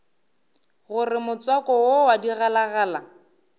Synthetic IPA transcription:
ɣʊrɪmʊt͡sɔkɔwowadiɣalaɣaːla

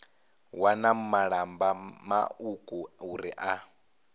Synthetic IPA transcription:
wanamumaɺambama̰ukʼuuɾiʔa

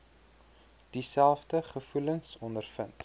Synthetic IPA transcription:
d̥isælˠfdəχəfuləŋsɔndərfənt

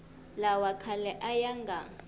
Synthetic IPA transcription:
lawakʰalɛʔajaŋɡʱa

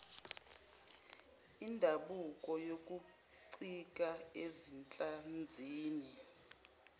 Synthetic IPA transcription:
indʱaɓukʼɔjokʼu | ǀikʼaezint͡ɬʼand͡zʱiːni

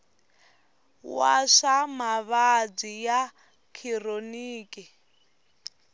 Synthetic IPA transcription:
wa̰ʂamaβad͡zija | kʰironiːkʼi

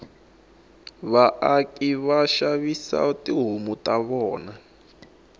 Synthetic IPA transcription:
βaʔakʼiβaʃaβisa̰tiɦumutʼaβɔːna

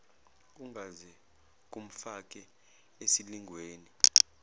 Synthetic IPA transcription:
uŋɡʱazɛ | k̬ʼum̩fak̬ʼɛ | esiliŋʱweːni

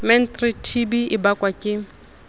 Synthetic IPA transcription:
mɛntritʰibiɪbakʼwakʼɪ

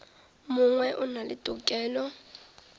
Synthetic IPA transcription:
mʊŋwɛʔʊnalɪtʼʊkʼɛːlɔ

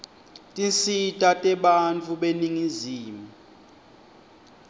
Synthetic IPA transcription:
tʼint͡sitʼatʼɛɓant͡fʰuɓeniŋiziːmu

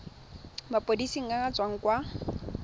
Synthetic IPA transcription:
mapʼodisiŋ̩aŋat͡sʼwaŋ̩kwa

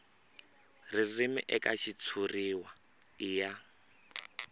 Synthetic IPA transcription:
ririmɪ̰ʔɛkaʃit͡sʰuriwa | ɪja

